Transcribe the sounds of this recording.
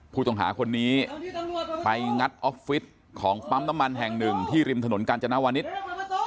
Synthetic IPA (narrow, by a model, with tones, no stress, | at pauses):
pʰuː˧˩t̪ɔ˨˩ŋɦa̰ː˩˦kʰo˧nːiː˦˥ | pa˧jŋa˦˥t̪̚ʔɔ˦˥p̚fi˦˥t̪̚ | kʰɔː˩˦ŋpa˦˥mna˦˥mːa˧nɦɛ˨˩ŋnɯ˨˩ŋt̪ʰiː˥˩ɾi˧mt̪ʰa˧no˩˦nkaː˧nt͡ɕa˧na˦˥waː˧ni˦˥t̪̚